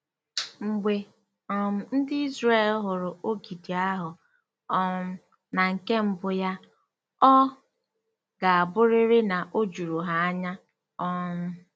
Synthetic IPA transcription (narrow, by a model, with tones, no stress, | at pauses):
ŋ͡m̩˨ɡ͡bʷe˨ | ɔ˦m̩˦˨n̩˦dɪ˦i˦zɾe˦˨lɦʊ˨ɾʊ˨o˦ɡi˨di˨a˦ɦʊ˨ | ɔ˦ | na˨ŋ̩˨ke˦m̩˦bʊ˦ja˦ | ɔ˦ | ɡa˨a˨bʊ˦ɾɪ˦ɾɪ˦na˨ʔo˦d͡ʒu˨ɾu˨ɦa˨a˦ɲa˦ | ɔ˦m̩˦